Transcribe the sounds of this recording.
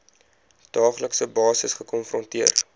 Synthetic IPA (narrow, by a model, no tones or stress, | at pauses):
d̥ɑːχləksəbɑːsəsχəkɔnfrɔntiər